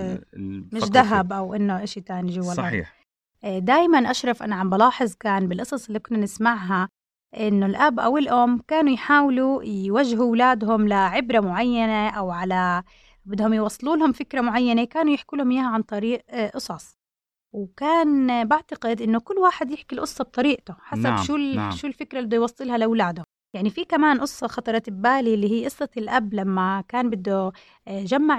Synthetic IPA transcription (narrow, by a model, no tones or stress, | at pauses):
mɪʃʃd̪aɦabʔawʔɪnːoʔaʃit̪aːniʒʊwalʔa̰ː | d̪aːjmanʔaʃɾˤɑfʔa̰naʕambalɑːħɨzˤkaːnbɪlʔɨsˤɑsˤɪlːiːkʊnːanɪsmaʕɦa | ʔɪnːʊlʔabʔa̰wɪlʔʊmkaːnujħaːwlujwaʒɦuwlaːd̪ɦʊmlaʕɪbɾamʊʕajːaneʔawʕala | bɪd̪hʊmjwɑsˤːɨluːlhʊmfɪkɾamʊʕajːanekaːnujɪħkuːlhʊmjaːhaʕant̪ˤɑɾiːʔʔɨsˤɑsˤ | wkaːnbaʕt̪aqɪd̪ʔɪnːʊkʊlːwaːħɪd̪jɪħkilʔʊsˤːɑb̚t̪ˤɑɾiːʔt̪ʊħasabʃuːlʃuːlfɪkɾˤabɪd̪ːʊjwɑsˤːɨlhalɪwlaːd̪hʊm | jaʕnifikamaːnʔʊsˤːɑxɑt̪ˤɑɾˤɑɪbːaːlilːiːhiːʔɨsˤːɑt̪ɪlʔablamːakaːnbɪd̪ːu | ʒamːaʕ